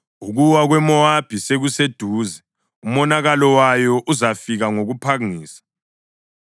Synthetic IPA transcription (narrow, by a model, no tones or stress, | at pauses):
uɣuwaɣwɛmɔab̥ʱiseɣused̥ʱuːzɛ | umɔnaɣalɔwajɔʔuzafiɣaŋoɣupʰaŋiːsḁ